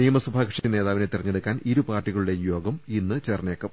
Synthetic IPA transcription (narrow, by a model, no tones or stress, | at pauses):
nijɐmɐsɐbʱaːkrʂine̞ːðaːʋine̞t̪irɐɲːeɽukːaːniɾupaːrʈːiɣɐɭuɽe̞jo̞ːɡɐminːɨt͡ɕeːrneːkːɐm